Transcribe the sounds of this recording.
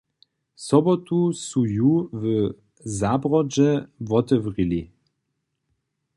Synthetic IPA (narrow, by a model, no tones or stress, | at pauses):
sɔbɔt̪usujuvə | zabʁɔd͡ʒɛvɔt̪ɛvʁili